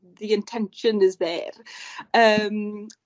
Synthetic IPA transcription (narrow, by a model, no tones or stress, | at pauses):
ðiɪ̃ntʰɛ̃nʃə̃nɪzðɛrəm